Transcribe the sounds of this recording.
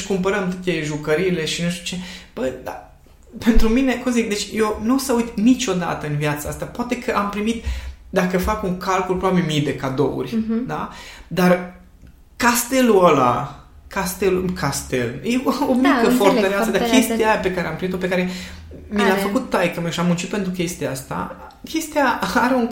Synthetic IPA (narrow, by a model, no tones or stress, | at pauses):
ʃkumpəɾəmt̪ot̪eʒukəɾile̞ʃinuʃt̪u̥t͡ʃe̞b̥əjd̪a̰ | pe̞nt̪ɾumine̞kumzik̚d̪e̞t͡ʃʲjewnusəujt̪nit͡ʃo̞d̪a̰t̪əɨnvjat̪səaast̪apoat̪e̞kʰəʔampɾimit̪d̪akəfakuŋkalkulpɾobabilmijd̪e̞kad̪o̰ṵrʲd̪a̰d̪ar | kast̪e̞luəla̰ | kast̪elukʰast̪ḛljeomikəfoɾt̪əɾeassad̪akʲest̪ijape̞kaɾeampɾimit̪ope̞kaɾe̞ | milafəkut̪ːajkəmeʃiamunt͡ʃit̪̚pent̪ɾukʲe̞st̪ijaast̪a̰ | kʲe̞st̪ijaaɾeun